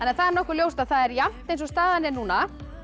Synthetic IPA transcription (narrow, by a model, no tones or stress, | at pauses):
ɛnːaɾθaðɛɾnɔhkʏɾljoːwst̪aðθaðɛɾjam̥t̪ejnsɔst̪aːðanɪnuːna